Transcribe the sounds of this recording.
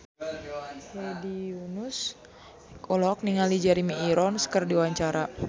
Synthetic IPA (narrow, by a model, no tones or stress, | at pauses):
hediunus | kɔlɔk̚niŋalid͡ʒaɾimiːɾɔnskərdiwaɲt͡ʃaɾa